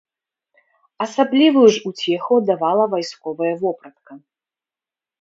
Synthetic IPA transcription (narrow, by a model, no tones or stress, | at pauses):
ɐsablʲivɨjuʐut͡sʲɛxɐd̪avalˠɐvajskɔvɐjɐvɔpɾɐt̪kɐ